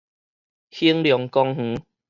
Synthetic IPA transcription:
hi˦ŋljɔ˨˩ŋkɔ˧ŋh̩˨˦

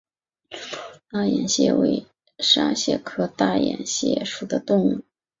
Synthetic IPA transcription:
t̪a˥˩jɛ̰˨˩nɕjɛ̰˥˩wḛ˥˩ɪ | ʂa̰˥ɕjɛ˥˩kʰɤ˥t̪a˥˩jɛ̰˨˩nɕjɛ̰˥˩ʂu˨˩d̪ə˦t̪ʊ˥˧ŋu˥˩

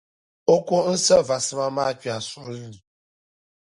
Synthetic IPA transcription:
o˦ko˦n̩˦sə˦va˨sɨ˦ma˦ma˦t͡ʃi˦a˨sʊ˦ɾi˨

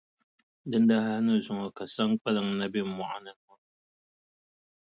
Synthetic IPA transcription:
dɨ˦n˦da˦ha˦nɨ˦zu˨ŋɔ˨ka˨sa˦ŋ˦k͡pɛ˦lɨ˨ŋna˦bi˦˨mwa˨ʔa˦nɨ˦nɔ˦

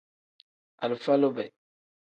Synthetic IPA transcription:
a̰˨lfa˦lo˦bɛ˨

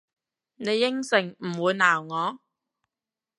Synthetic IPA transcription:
ne˨˧jːɪ˥ŋsɪ˨˩ŋm̩˨˩wuː˨˧jnaː˨˩wŋɔː˨˧

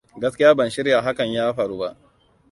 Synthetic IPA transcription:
ɡɐ˦skʲɪ˦jaː˦bɐ˨nʃɪ˦ɾja˨ɦa˦kɐ˨ɲjaː˦ɸɐ˨ɽuː˦ba˦ʔ

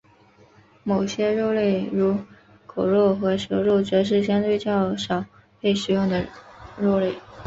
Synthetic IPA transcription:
mo˨˩ʊɕjɛ˥ɻo˥˧ʊle˥˩ɪɻu˧˥ | kʰo˨˩ʊɻwɔ˥˩xɤ˧˥ʂɤ˧˥ɻo˥˩ʊt͡ɕɥɛ˧˥ʂ̬ɻ̩˥˩ɕ̬jɑ˥nt̪we˥˧ɪt͡ɕjɑ˥˩ʊʂɑ˨˩˦ʊ | pe˥˩ɪʂɻ̩˨˩jʊ˥˩ŋd̪ə˩ɻo˥˧ʊle˥˩ɪ

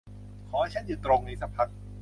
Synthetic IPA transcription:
kʰɔː˩˦t͡ɕʰa˦˥˦njuː˨˩t̪ɾo˧ŋna˧sa˧pʰa˦˥t̪̚

